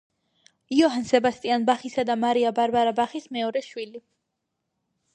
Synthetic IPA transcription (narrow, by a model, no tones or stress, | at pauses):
iɔɦansɛbast̪ʼianbaχisad̪amaɾiabaɾbaɾabaχismɛɔɾɛʃwili